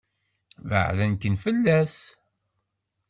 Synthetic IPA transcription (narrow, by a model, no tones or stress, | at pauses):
və̰ʕlænkənfəlːæs